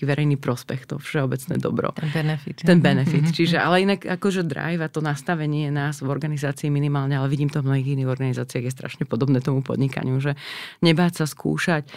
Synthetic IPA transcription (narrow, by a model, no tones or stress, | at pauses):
ʋɛɾʔɛjniːpɾɔspɛxt̪ɔ̰fʃɛɔbɛt͡snɛ̰ːd̪ɔ̰bɾɔ̰bɛnɛfit̪ɛnbɛnɛfit̪t͡ʃiʒɛalɛinaɡakɔʒɛd̪ɾa̰jvat̪ɔnast̪aʋɛɲɪɛnaːzvɔɾɡanizaːt͡siːminimaːlɲɛalɛʋiɟiːmt̪ɔvmnɔɦiːɣinːiːɣɔɾɡanizaːt͡siɪaɣjɛst̪ɾʔa̰ʃɲɛpɔd̪ɔbnɛːt̪ɔmupɔ̰d̪ɲika̰ɲɪuʒɛɲɛbaːcsaskʰṵːʃac